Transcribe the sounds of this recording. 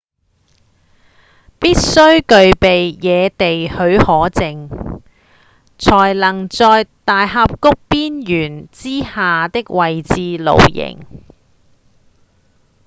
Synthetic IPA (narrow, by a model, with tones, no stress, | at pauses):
piː˥t̚sɵ˥ɥkɵ˨˧ɥpe˨jjɛː˨˧t̪e˨jhɵ˨˧˥ɥhɔː˨˥t͡sɪ˨ŋ | t͡sʰɔː˨˩jlɐ˨˩ŋt͡sɔː˧jt̪aː˨jɦaː˧p̚kʊ˥k̚piː˥njyː˨˩nt͡siː˥haː˨t̪ɪ˥k̚wɐ˨jt͡siː˧lo̰˨wjɪ̰˨˩ŋ